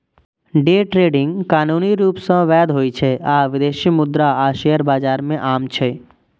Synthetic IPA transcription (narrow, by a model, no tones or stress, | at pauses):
ɖeːʈɾeːɖɪ̃ŋɡkaːnuːniɾuːpsə̃ʋɛːd̪ɦoːit͡ʃʰɛaːʋɪd̪eːʃimʊd̪ɾaaːʃejəɾbaːd͡ʒaːɾmẽʔaːmt͡ʃʰɛ